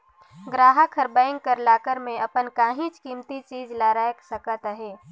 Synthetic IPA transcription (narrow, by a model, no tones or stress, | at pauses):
ɡɾaːɦəkʰəɾbaːɪ̃ŋɡkəɾlaːkəɾmẽʔɐpənkaːɦĩt͡ʃkiːmt̪it͡ʃiːzlaːɾaːjəksəkət̪əɦeː